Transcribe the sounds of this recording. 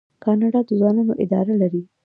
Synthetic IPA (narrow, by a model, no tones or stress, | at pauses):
kɑnɑɖɑd̪əzwɑnɑnoʔɪd̪ɑ̰ɾalaɾi